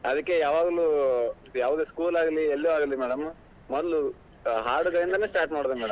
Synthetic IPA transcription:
ɐd̪ɐkːejaːʋaːɡɐluː | jaːʋaɡ̪eskuːlaːɡɐlielːuaːɡɐlːimɛːɽɐm | mɔd̪ɐlu | ɦaːɾɖuɡɐɾind̪ɐneːsʈaːɾʈmaːɽod̪emɛːɽɐm

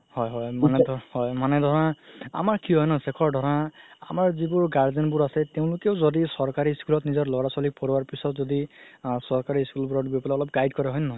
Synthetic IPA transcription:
hɔjɦɔjmanɛdʱhɔjmanɛdʱɔɹãa̰maɹkiɦɔjnɔsɛkʰɔɹdʱɔɹãa̰maɹzibʊɹɡaɹzinbuɹasɛteʊ̃lʊkeʊzɔdisɔɹkaɹiskulɔtnizɔɹlɔɹasɔlik̚pɔɹwaɹpisɔtzɔdisɔɹkaɹiskulbuɹɔʈbipɔlaɔlɔp̚ɡajdkɔɹɛɦɔjnːɔ

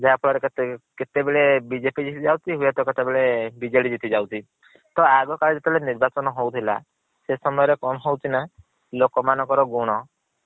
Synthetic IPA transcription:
d͡ʒʱaapʰɔɭɔɾekket̪ebeɭebid͡ʒepid͡ʒit̪id͡ʒawt̪ʰiɦuet̪ɔket̪ebeɭebid͡ʒeɽid͡ʒit̪ʰid͡ʒawt̪ʰi | t̪ɔaɡɔkaɭid͡ʒet̪ɔleniɾbat͡ʃɔnɔɦowt̪ʰila̰ | sesɔmɔjɔɾekɔñɔɦowt̪ʰina | lokɔmanɔŋkɔɾɔɡuɽ̃ɔ

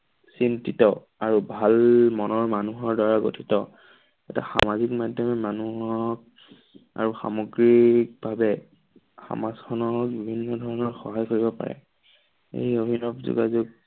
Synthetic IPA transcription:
sintitɔ | aɹubʱalmɔnɔɹmanuɦɔɹdwaɹaɡo̰tʰi̥tɔ | ɛta̰xa̰mazikmadʱjɔmɛmanuɦɔk̚ | a̰ɹuxa̰mɔɡɹik̚bʱabɛ | xa̰maskʰɔnɔk̚bibʱinːɔdʱɔɹɔnɔɹxɔɦajkoɹibɔpa̰ɹɛ̰ | ḛjobʱinɔpzṵɡazuk̚

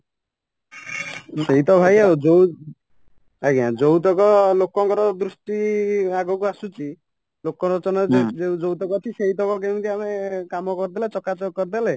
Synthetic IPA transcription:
seɦit̪ɔbʱajaod͡ʒow | aɡãd͡ʒowt̪̬ɔkɔlokɔŋkɔɾɔd̪ɾusʈiaɡɔkuasut͡ʃi | lokɔkɔt͡ʃɔnɔeud͡ʒowt̪ɔkɔt̪ʰiseɦit̪ɔkɔɡemt̪ʰiamekamɔkɔɾd̪elet͡ʃɔkat͡ʃɔɡkɔɾd̪ele

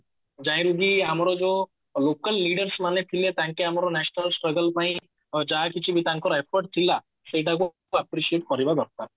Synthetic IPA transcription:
d͡ʒaj̃ɾuɡiamɔɾɔd͡ʒɔ | lokəlːiɖəɾsmanet̪ʰilet̪ãŋkeamɔɾɔnɛsnəlsʈɾɔɡəlpaĩ | d͡ʒaɦakit͡ʃʰibit̪ãŋkɔɾepʰɔɾʈ̚t̪ʰila | seʈak̬u | apɾisieʈkɔɾibad̪ɔɾkaɾ

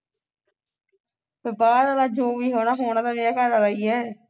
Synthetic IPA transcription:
ebaːɾəlaːd͡ʒoːmiːɦoːnãːɦoːnãːt̪ãːʋeaːkaːɾaːlaiɛ̃ː

